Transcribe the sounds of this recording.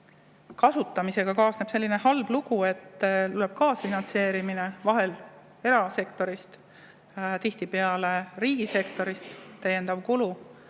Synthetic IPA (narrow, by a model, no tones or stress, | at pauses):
kɑsut̪ːˑɑmise̞ɡ̥ɑkɑːsneb̥se̞lːine̞hɑlb̥luɡ̥ue̞t̪ːluleb̥̚kɑːsfinɑnt̪se̞ːɾimine̞vɑɦe̞l | e̞ɾɑse̞kt̪o̞ɾist̪ | t̪iht̪ipeɑle̞riːɡ̥ise̞kt̪o̞ɾist̪t̪ːæjːe̞nd̪ɑvkulu